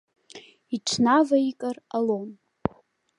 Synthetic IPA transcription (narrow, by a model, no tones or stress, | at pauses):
iʈ͡ʂʷʰnavaikʼaralon